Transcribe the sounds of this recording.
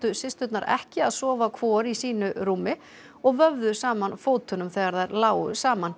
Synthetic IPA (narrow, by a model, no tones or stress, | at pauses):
t̪ʏsɪst̪ʏt̪naɾʔɛ̰hcɪaðsɔːvakʰvɔːɾisiːnʏɾuːmɪ | ɔɣvœvðʏsaːmanfoːwt̪ʏnʏmθɛːɣaɾðaɾlaːwʏ̰saːman